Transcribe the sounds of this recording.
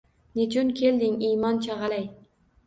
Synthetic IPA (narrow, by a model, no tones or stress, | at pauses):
net͡ʃunkʲʰeld̪ɪŋiːmɑnt͡ʃʰɑʁɑlaj